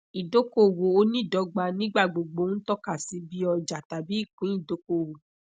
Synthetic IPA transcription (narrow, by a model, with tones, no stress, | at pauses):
i˨do˨˦ko˦˨wo˨o˦nĩ˦˨dɔ˨˦ɡ͡ba˧˨nĩ˦ɡ͡ba˦˨ɡ͡bo˨ɡ͡bo˨˦ñ̩˦tɔ˦ka˦˨si˨˧˦bi˦ɔ˧d͡ʒa˨ta˨bi˨˦i˦˨kũ˨˦ĩ˦˨do˨˦ko˦˨wo˨